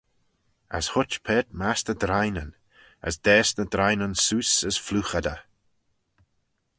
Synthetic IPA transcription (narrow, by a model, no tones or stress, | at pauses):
ə̰shʊt͡ʃpʰɛːt̚masnəd̪ɾajnən | ə̰sd̪̥ɛːsnəd̪ɾajnənsuːsəz̥fluːxad̪ə̰